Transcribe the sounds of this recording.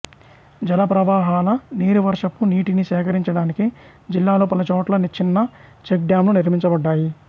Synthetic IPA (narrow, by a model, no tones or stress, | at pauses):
d͡ʒɐlɐpɾɐʋaːɦaːlɐniːɾuʋɐɾʂɐpːuniːʈiniʃɛːkɐɾiɲt͡ʃɐɽaːniki | d͡ʒilːaːloːpɐlɐt͡ʃɔːʈlɐnit͡ʃʰːinːɐt͡ʃek̚ɖjaːmluniɾmiɲt͡ʃɐbɐɖːaːji